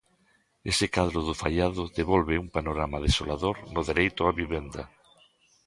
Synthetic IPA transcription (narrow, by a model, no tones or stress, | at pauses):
esekaðɾʊðʊfaʎaðʊðeβɔlβeuŋpanoɾamaðesolaðoɾnʊðeɾejt̪ʊaβiβend̪a